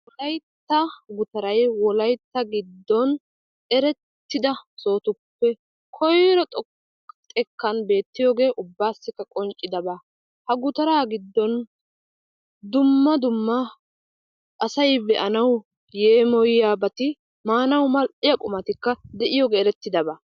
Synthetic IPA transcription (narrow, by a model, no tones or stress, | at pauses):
wɔlɐjt̪ːɐɡʊt̪ɐɾɐjwɔlɐjt̪ːɐɡɪd̪ːɔn | ɛɾɛt̪ːɪd̪ɐso̞ːt̪ʊpːɛ | kʰɔjɾɔt̪ʼ | t̪ʼɛkːɐnbe̞ːt̪ːɪjoːɡe̞ːʔʊbːaːsːɪkːɐkʼɔnt͡ʃʼːɪd̪ɐba | hɐɡʊt̪ɐɾaːɡɪd̪ːɔn | d̪ʊmːɐd̪ʊmːɐ | ʔɐsɐjbɛʔɐnɐw | jeːmɔjjaːbɐt̪ɪ | maːnɐwmɐlʔɪjɐkʼʊmɐt̪ɪkːɐd̪ɛʔɪjoːɡeːɛɾɛt̪ːɪd̪ɐba